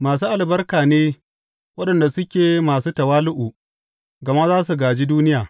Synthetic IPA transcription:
maː˨s̬uː˦ʔa˨lbɐ˦rkaː˨neː˦ | wɐ˦ɗɐ˨nda˨sʊ˦kʲeː˨maː˨suː˦tɐ˨waː˦lʊ˦ʔu˨ | ɡɐ˨ma˦zaː˦su˨ɡaː˨d͡ʒiː˦duː˦nɪ˦jaː˨

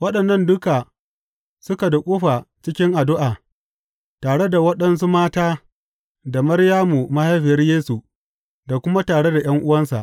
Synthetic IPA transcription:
wɐ˦ɗɐ˨nːɐ˦ndʊ˦ka˨ | sʊ˦ka˨dɐ˨kʷʼuː˦ɸa˨t͡ʃɪ˦kʲɪ˦ŋʔa˨dʊ˦ʔaː˨ | taː˨ɽe˦da˨wɐ˦ɗɐ˦nsu˦maː˦taː˦ | da˨mɐ˦rjaː˦mu˨ma˦ha˦jɸɪ˨jɐ˦rjeː˦su˨ | da˨kʷʊ˦ma˦taː˨ɽe˦da˨j̰ɐ˦ŋʔʊ˦wɐ˦nsa̰˨ʔ

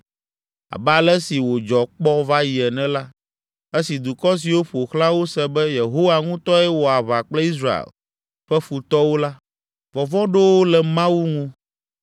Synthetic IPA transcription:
a̰˨bɛ˦a˨lɛ˦si˨wo˨d͡ʒɔ˨k͡pɔ˦va˦ji˨ɛ˨nɛ̃˦la˦ | e˦si˨d̪u˨kɔ˦s̬i˨wo˦ɸo˨xlã˦wo˦sɛ˦bɛ˦je˨ɦo˦wa˨ŋũ˦t̪ɔ˦ɛ˦wo˨a˨βa˨k͡plɛ˦i˦s̬ɾa˦˨ḛ˨l | ɸɛ˦ɸu˨t̪ɔ˦wo˦la˦ | vɔ˨vɔ̃˦ɖo˦wo˦lɛ˨mã˦wu˦ŋũ˦

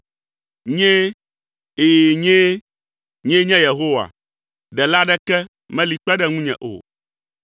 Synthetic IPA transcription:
ɲɛ̃˦ | e˨ɲẽ˦ | ɲɛ̃˦ɲɛ̃˦je˨ɦo˦wa̰˨ | ɖɛ˨la˦ɖɛ˦kɛ˦ | mɛ̃˦li˨k͡pɛ˦ɖɛ˦ŋũ˦ɲɛ̰̃˨ʔo̰˨

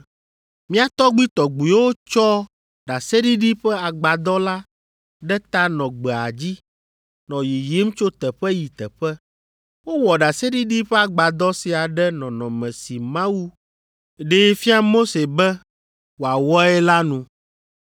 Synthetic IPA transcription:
mĩ˦a˨t̪ɔ˦ɡ͡bi˦t̪ɔ˨ɡ͡bu˨jwo˦t͡ʃɔ˦ | ɖa˨se˦ɖi˦ɖi˦ɸɛ˦a˨ɡ͡ba˨d̪ɔ˦la˦ | ɖɛ˦t̪a˦nɔ̃˨ɡ͡bɛ˨a̰˨d͡ʑi˦ | nɔ̃˨ji˨ji˦m˦t͡ʃo˦t̪ɛ˨ɸɛ˦ji˨t̪ɛ˨ɸɛ˦ | wo˦wɔ˨ɖa˨se˦ɖi˦ɖi˦ɸɛ˦a˨ɡ͡ba˨d̪ɔ˦si˨a˨ɖɛ˦nɔ̃˨nɔ̃˨mɛ̃˨si˨mã˦wu˦ | ɖe˦fi˦a˦mo˦se˨bɛ˦ | wo˨a˨wɔ˦ɛ˦la˦nũ˨

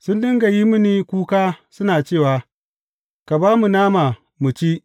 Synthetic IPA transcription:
sʊ˦ndɪ˦ŋɡa˨ji˦mʊ˦niː˨kʷuː˦kaː˦sʊ˦naː˨t͡ʃeː˦˨wa˨ | ka˨baː˦mu˨naː˦ma˨ | mu˨t͡ʃi˦

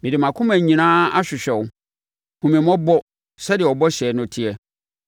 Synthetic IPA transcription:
mɪ̃˨dɪ˨mã˨kʰʊ̃˦mæ̃˨ɲĩ˨nãː˦a˦ɕᶣɪ˨ɕᶣɛ˨wʊ˨ | kʰũ˨mĩ˨mɔ̃˦bɔ˦ | sɛ˦dɪ˨ɛ˨ɔ˨bɔ˦ɕɛ˨˦nʊ̃˨tʰi˦ɛ˨

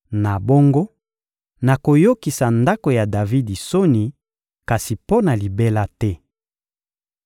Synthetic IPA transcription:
na˨bo˦ŋɡo˦ | na˨ko˨jo˦ki˨sa˨nda˦ko˨ja˨da˨vi˦di˨so˦ni˨ | ka˨si˨po˦na˨li˨be˦la˦tɛ˦

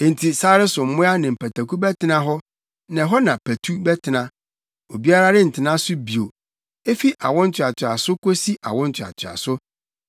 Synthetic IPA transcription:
ẽ˨n˨tʰi˨saː˦ɾɪ˦sʊ˨m̩˦mʊ̃˦a˦nɪ̃˨m̩˨pʰæ˨tʰæ˨ku˦bɛ˦tɪ˨nã˦ɦɔ˦ | nã˨ɦɔ˦nã˨pʰæ˨tʰu˦bɛ˦tʰɪ˨nã˦ | o˨bi˦a˦ɾa˦ɾɪ˦n̩˨tʰɪ˨nã˦sʊ˦bi˨o˨ | e˦fi˦ʔa̰˨wɔ̃˦n̩˦t͡ɕʰᶣɪ˨a˨tʰɪ˨a˨sʊ˦kʰo˦si˦ʔa̰˨wɔ̃˦n̩˦t͡ɕʰɪ˨a̰˨t͡ɕʰɪ˨a̰˨sʊ˦

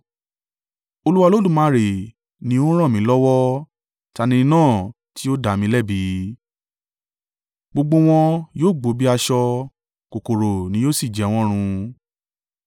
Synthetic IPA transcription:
o˧lu˦wa˧lo˦dũ˦˨mã˧ɾe˨ | nĩ˦o˦ɾ̃ã˦˨mĩ˨˦lɔ˦wɔ˦ | ta˧nĩ˧˦nãː˦˨ | ti˨˦o˦da˨mĩ˧˦lɛ˦˨bi˨˦ | ɡ͡bo˧ɡ͡bo˧w̃ɔ̃˧joː˦˨ɡ͡bo˨˦bi˦a˧ʃɔ˧ | ko˨ko˨ɾo˨nĩ˨˦joː˦˨si˦˨d͡ʒɛ˨˦w̃ɔ̃˦ɾ̃ũ˧

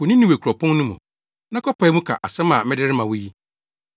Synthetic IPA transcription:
wʊ˨nĩ˦nĩ˦we˨kʰu˨ɾɔ˨pʰʊ̃˦n˦nʊ̃˦mũ˨ | nã˦kʰɔ˦pʰa˨ɛ˦mũ˦kʰa̰˨ʔa̰˨sɛ̃˦mã˨m˦ɪ˦dɪ˦ɾɪ˦mã˨wʊ˦ji˦

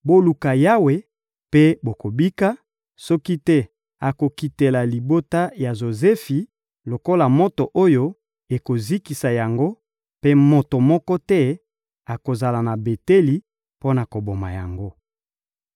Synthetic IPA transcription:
bo˦lu˨ka˨ja˦we˨ | pe˦bo˨ko˨bi˦ka˦ | sɔ˦ki˦tɛ˦ | a˨ko˨ki˨te˨la˨li˨bo˦ta˦ja˨ʒo˨zɛ˦fi˨ | lo˨ko˦la˨mɔ˦to˨ʔo˦jo˦ | e˨ko˨zi˦ki˨sa˨ja˨ŋɡo˦ | pe˦mo˨to˨mɔ˦kɔ˦tɛ˦ | a˨ko˨za˨la˨na˨be˨te˦li˨˦ | po˦na˨ko˨bo˨ma̰˨ja̰˨ŋɡo˦

